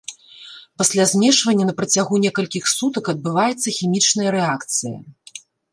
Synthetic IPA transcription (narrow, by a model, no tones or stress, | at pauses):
pɐsʲlʲazʲmʲɛʂvɐnʲːɐnɐpɾɐt͡sʲaɣunʲɛkɐlʲkʲixsut̪ɐkɐd̪̚bɨvajɛt̪sːɐxʲimʲit͡ʂnɐjɐɾɛakt̪sɨjɐ̰